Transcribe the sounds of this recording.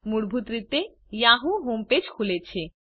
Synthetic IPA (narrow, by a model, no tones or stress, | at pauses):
muɽbʱut̪ɾit̪e | jaɦuɦomped͡ʑkʰulet͡ɕʰe